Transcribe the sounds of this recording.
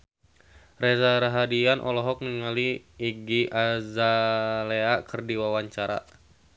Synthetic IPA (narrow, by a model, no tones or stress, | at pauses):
rɛzaɾaɦadianʔɔ̰lɔɦɔk̚niŋaliiɡiʔazaleakərdiwawaɲt͡ʃaɾa̰